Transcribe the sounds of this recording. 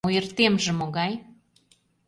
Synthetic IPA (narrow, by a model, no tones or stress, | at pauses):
ujə̆rt̪emʒə̆moɣɑj